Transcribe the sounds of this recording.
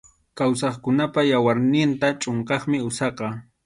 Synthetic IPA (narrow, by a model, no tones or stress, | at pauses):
kawsɑχkʊnapajawaɾnɪnt̪at͡ʃʼoɴkɑχmɪʊsɑqɑ